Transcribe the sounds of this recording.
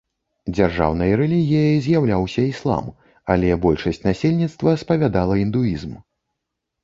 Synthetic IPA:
d͡zʲarʐa̰wnɐjɐɾɛlʲiɣʲijɐzʲjawlʲawsʲɐislˠa̰m | alʲɛbɔlʲʂɐsʲt͡sʲnasʲelʲnʲit̪st̪vɐspɐvʲad̪alˠɐind̪uizm

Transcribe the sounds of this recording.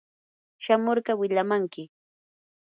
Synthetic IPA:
ʃamoɾɢɑwɪʎamaŋkɪ

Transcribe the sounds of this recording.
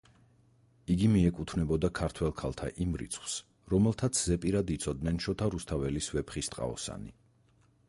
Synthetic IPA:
iɡimiɛkʼut̪ʰvnɛbɔd̪akʰaɾt̪ʰwɛlˠkʰalˠt̪ʰa̰ʔimɾḭt̪sʰχws | ɾɔmɛlˠt̪ʰat̪sʰzɛpʼiɾad̪it̪sʰɔd̪nɛnʃɔt̪ʰaɾust̪ʰavɛlisvɛpχist̪ʼqʼa̰ɔ̰sa̰ni

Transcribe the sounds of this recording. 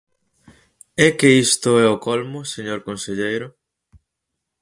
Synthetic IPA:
ɛkeist̪ʊɛokɔlmʊseɲoɾkonseʎejɾʊ

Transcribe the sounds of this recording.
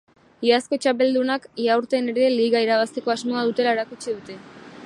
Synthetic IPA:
iasko̞t͡ʃap̬e̞ld̪unakiawɾt̪e̞ne̞ɾe̞liɣaiɾaβ̞ast̪e̞ko̞azmoaðut̪e̞lae̞ɾakut͡ʃiðut̪e̞

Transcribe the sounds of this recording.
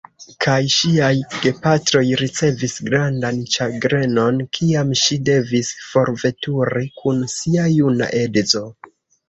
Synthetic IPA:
kʰajʃiajɡ̥e̞patɾo̞jɾit͡se̞visɡɾandant͡ʃaɡɾe̞no̞nkʰiamʃide̞visfo̞ɾve̞tuɾikʰunsiajuna̰ʔe̞dzo̞

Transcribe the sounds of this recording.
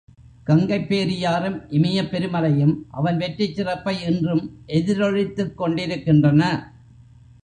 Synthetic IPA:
kɐŋɡɐɪpːeːɾɪjaːɾɯmʔɪmɐjɐpːɛɾɯmɐlɐjɯmʔɐ̰ʋɐnʋɛʈrɪt͡ʃːɪrɐpːɐɪɛndrɯmʔɛðɪɾɔɻɪt̪ːɯkːɔɳɖɪɾɯkːɪndrɐnɐ

